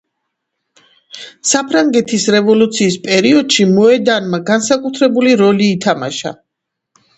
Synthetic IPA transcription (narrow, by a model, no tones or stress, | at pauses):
sapʰɾaŋɡɛt̪ʰisɾɛvɔlut̪sʰiːspʼɛɾiɔd̪̥ʃimɔɛd̪anmaɡansakʼut̪ʰɾɛbuliɾɔliːt̪ʰama̰ʃa̰